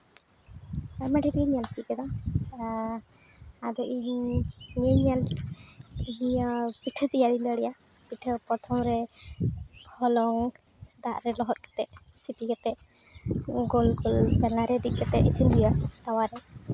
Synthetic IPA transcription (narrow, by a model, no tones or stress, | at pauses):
amaʈʰiɾiiɲalt͡ʃit̪̚kɛd̪ɔa | ad̪ɔʔiɲɲeɲal | iɲpiʈʰt̪ijad̪ind̪əɽɛja | biʈʰəpɾɔt̪ʰɔmɾɛ | kʰɔlɔŋ | d̪aʔɾɛlɔɦɔt̪̚kɛ̥t̪ɛʔ | sipikɛt̪ɛʔ | ɡɔlɡɔlbɛlaɾɛɾit̪̚kɛt̪ɛʔisinɾujat̪awaɾɛ